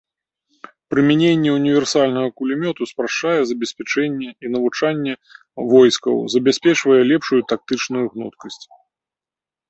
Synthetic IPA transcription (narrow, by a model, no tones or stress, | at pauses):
pɾɨmʲɛnʲenʲːɛunʲivʲɛrsalʲnɐɣɐkulʲimʲɔt̪uspɾaʂt͡ʂajɛzɐbʲɛsʲpʲat͡ʂɛnʲːɛinɐvut͡ʂanʲːɛ | vɔjskɐ̰wzɐbʲasʲpʲɛt͡ʂvɐjɛlʲɛpʂujut̪ak̚t̪ɨt͡ʂnujuɣnɔ̰t̪kɐsʲt͡sʲ